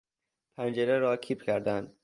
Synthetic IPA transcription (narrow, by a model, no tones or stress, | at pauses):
pʰænd͡ʒeɾeɾɒːkʰiːpcʰæɾd̪ænd̪̥